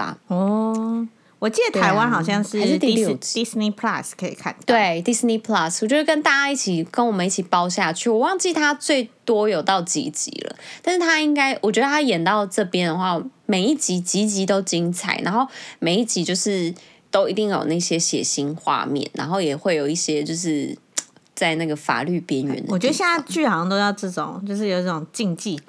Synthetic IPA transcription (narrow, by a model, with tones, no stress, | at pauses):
a̰˨ɔ˥˩ | wɔ˨˩t͡ɕi˥d̪ə˩t̪ʰa˧ɪwa˦nxɑ˨˩ʊɕɑ˥˧ŋʂɻ̩˥˨˧ʂ̩˥t̪i˥˧i˥sni˦˥pʰla˥skʰə˧˦˥ḭ˨˩kʰa̰˥˨nt̪wwe˥˩ɪd̪i˧˥sni˦pʰla˥˧swt͡ɕjɛ˧˥ə˥˧kə˥nt̪a˥˩t͡ɕa˥i˥˩t͡ɕʰi˨˩kə˦nwɔ˨˩mə̃˨˦i˥˩t͡ɕʰi˨˩pɑ˥ʊɕja˥˩t͡ɕʰy˥˩wɔ˨˩wɑ˥˧ŋt͡ɕi˥˨t̪ʰa˥t͡swe˥˩ɪt̪wɔ˥jo˨˩ʊt̪ɑ˥˩ʊt͡ɕḭ˧˥t͡ɕḭ˧˦lə̰˨t̪nʂɻ̩˥˩t̪ʰa˥i˥ŋka˥ɪwʔɔ˨˩t͡ɕɥɛ˧˦d̪ə˧t̪ʰa˥jɛ˨˩nt̪ɑ˥˧ʊʈ͡ʂɤ˥˧pjɛ˦nd̪ə˨xwa˥˩me˨˩ɪi˥˩t͡ɕi˧˥t͡ɕi˧˥t͡ɕi˧˥t̪o˥ʊt͡ɕi˥ŋt͡sʰa̰˨˩ɪna̰˧˦nxo˥˩me˨ɪi˥˩t͡ɕi˧˥t͡ɕjo˥˧ʊʂɻ̩˥˩ | t̪o˥ʊi˨˧˦t̪i˥˩ŋjo˨˩na˥˩ɕjɛ˦ɕjɛ̰˨˩ɕi˥nxwa̰˥˧mjɛ̰˥˨nna̰˧˥nxo˥˩ʊjɛ˨˩xwe˥˩ɪjo˨˩ʊi˥˩ɕjɛ˥t͡ɕjo˥˧ʊʂ̬ɻ̩˥˩ | t͡sa˥˧ɪna˥˩ɡə˩fa̰˨˩ly˥˩pjɛ˧˥nɥɛ̰˧˦nd̪ə˨ɔ˨˩t͡ɕɥɛ˧˦˥ə˥˦jɛ˥na˥˧ɪt͡ɕy˥˩xɑ˧˦ŋt̪o˥ʊjɑ˥˧ʊʈ͡ʂɤ˥˩ʈ͡ʂo˨˦ŋt͡ɕjo˥˧ʊʂ̬ɻ̩˥˩jo˨˩ʊʈ͡ʂɤ˥˩ʊ˨˩ŋt͡ɕi˥˧ŋt͡ɕi˥˩